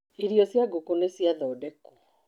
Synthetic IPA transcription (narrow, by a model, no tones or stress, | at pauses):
iɾjɔsjaɡukunesjaðɔːdɛku